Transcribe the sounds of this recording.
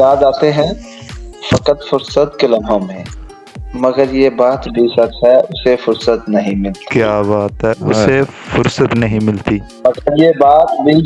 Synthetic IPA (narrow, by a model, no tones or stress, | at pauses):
jaːd̪aːt̪eɦɛ̃ | fɐkət̪fʊɾsət̪kɪləmõmẽ | mɐɡəɾjebaːt̪bʱisɐksɦɛʊsefʊɾsət̪nɐɦĩmɪlt̪kjaːbaːt̪ɦɛʊse | fʊɾsət̪nɐɦĩmɪlt̪iː | mɐɡəɾjebaːt̪bʱi